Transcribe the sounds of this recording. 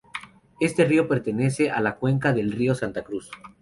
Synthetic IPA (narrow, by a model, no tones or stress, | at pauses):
e̞st̪e̞rio̞pe̞ɾt̪e̞ne̞se̞ʔalakwe̞ŋkaðe̞lrio̞sant̪akɾus